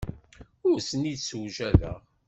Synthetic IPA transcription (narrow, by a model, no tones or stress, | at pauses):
ʊsənid̪səwʒæðə̰ʁ